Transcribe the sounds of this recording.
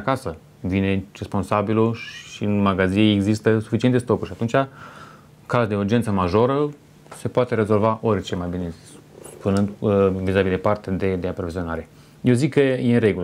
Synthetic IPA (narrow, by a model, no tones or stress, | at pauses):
akasə | vine̞respo̞nsabiluʃiɨnmaɡazineeɡzist̪əsufit͡ʃienest̪o̞kuʃiat̪unt͡ʃʲa | kad̪e̞urd͡ʒent̪səmaʒo̞ɾə | se̞poat̪e̞ɾe̞zo̞lvaʔo̞rʲt͡ʃe̞majbine̞ | spunɨnd̪vizabilepart̪ad̪ed̪eapɾo̞vizio̞naɾe̞ | jewzikːəjeɾe̞ɡul